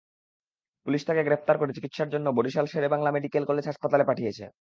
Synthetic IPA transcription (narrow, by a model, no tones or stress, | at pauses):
puliʃt̪ʰakeɡɾep̚t̪aɾkoɾet͡ɕikit̪ʃaɾd͡ʑonːoboɖiʃalʃeɾebaŋlameɖikelkolːed͡ʑɦaʃpat̪alepaʈʰijet͡ɕʰḛ